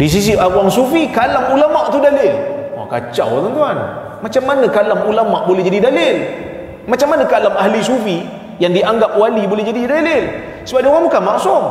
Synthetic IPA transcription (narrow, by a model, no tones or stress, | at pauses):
dis̬is̬iʔaɾuaŋsufikalamulamaʔt̪udalɪlwa̰ka̰t͡ʃa̰wat̪unt̪uan | mat͡ʃamːanəkalamulamaʔbolɛhd͡ʒadidalɪl | mat͡ʃamːanəkalamaɦlisufi | jaŋdiaŋɡap̚walibolɛhd͡ʒadidalɪl | səbap̚dioɣaŋbukanmaʔsʊŋ